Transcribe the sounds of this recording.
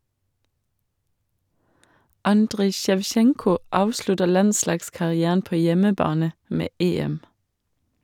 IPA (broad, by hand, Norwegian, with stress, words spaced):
ˈɑndʁɪ ʃɛʋˈʃɛŋkʊ ˈɑːʋʃlʉtə ˈlɑnˌslɑːɡskɑʁɪˌæːn ˈpoː ˈjɛməˌbɑːnə ˈmeː ˈeːɛm